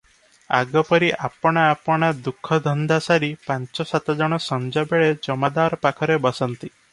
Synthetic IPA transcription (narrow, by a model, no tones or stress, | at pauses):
a̰ɡɔpɔɾiʔapɔɽ̃aːpɔɽ̃ad̪ukʰːɔd̪ʱɔnd̪asaɾipant͡ʃɔsat̪ɔd͡ʒɔɽ̃ɔsɔnd͡ʒabeɭed͡ʒɔmad̪aɾɔpakʰɔɾebɔsɔnt̪i